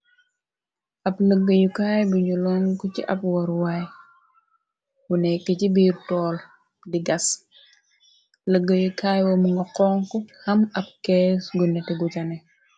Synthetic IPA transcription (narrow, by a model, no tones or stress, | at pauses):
ʔɐpləɡːəjukaːjbiɲulɔŋkuciʔɐpwɐɾwaj | wunɛkːəcibiːɾtɔːl | diɡɐs | ləɡːəjukaːjwɔməŋɡɐqɔːŋkɔhɐmɐp̚kɛːsɡunɛtɛɡucɐnɛ